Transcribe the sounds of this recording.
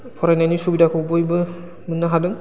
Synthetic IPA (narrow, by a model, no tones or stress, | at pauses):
pʰɔɾajnajnisubidakʰɯbɯjbɯ | mɯnːaɦadɯŋ